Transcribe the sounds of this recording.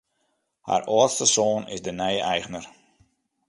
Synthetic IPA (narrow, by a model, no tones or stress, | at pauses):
ha̰rɔəstəsoːnɪ̰sdənɛjəʔɛjɣnər